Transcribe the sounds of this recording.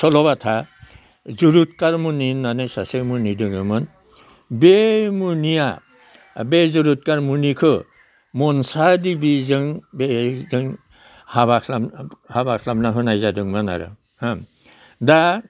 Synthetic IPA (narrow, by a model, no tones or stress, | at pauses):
sʰɔlɔbatʰa | zuɾut̚kaɾmuninːanɯjsasemunidɯŋɯmɯn | bemunija | bezuɾut̚kaɾmunikʰɯ | mɔnsadibizɯŋbezɯŋ | habakʰlamhabakʰlamnaɦɯnajzadɯŋmɯna̰ɾɯ̰ | ham | da